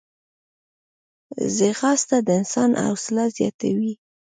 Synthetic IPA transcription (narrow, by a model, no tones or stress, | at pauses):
zɪɣɑst̪ad̪əɪnsɑnʔa̰wsɪlazjɑt̪awi